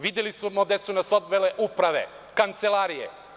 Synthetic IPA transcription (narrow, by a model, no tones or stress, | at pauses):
ʋid̪jelismod̪asunasod̪ʋeleʔupɾaʋe̞̰ | kant̪selaːɾijḛ